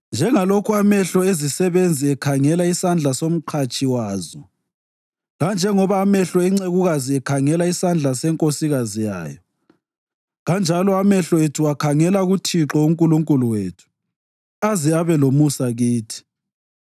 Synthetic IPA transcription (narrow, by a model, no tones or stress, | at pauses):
nd͡ʒʱɛŋalokʰuamɛɬɔezisɛβend͡zʱiɛkʰaŋɛlaisand͡ɮʱasom̩ǃʰat͡ʃʼiwaːzɔ | ɣand͡ʒʱɛŋɔβaːmɛɬɔɛŋ͡ǀeɣuɣaziɛkʰaŋɛlaisand͡ɮʱasɛŋkʼosiɣazija̰ːjɔ | ɣand͡ʒʱalɔamɛɬɔetʰuwakʰaŋɛlaɣutʰiǁɔuŋkʼuluŋkʼuluweːtʰu̥ | aziaβɛlomusaɣiːtʰi̥